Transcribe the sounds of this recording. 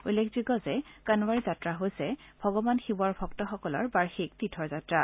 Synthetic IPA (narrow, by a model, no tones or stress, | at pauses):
ujlekʰzikɔzɛkanwaɹizatɹaɦojsɛbʱɔɡɔbanxibɔɹbʱɔk̚tɔxɔkɔlɔ̰ɹbaɹxik̚titʰɔɹzatɹa